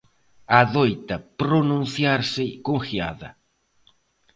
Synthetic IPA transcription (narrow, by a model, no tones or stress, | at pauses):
aðojt̪ɐpɾonũn̟θjaɾsɪkonθja̰ðɐ